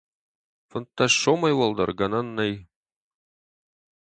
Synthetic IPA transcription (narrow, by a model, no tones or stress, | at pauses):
fɤ̆nt̪ːɑʃomɑjwolˠd̪ɑ̰ɾɡɑnɑnːɤj